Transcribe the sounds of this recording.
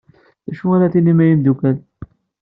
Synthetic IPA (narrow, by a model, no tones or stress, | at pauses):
ðæʃuæɾaθinːimæjimd̪ukæl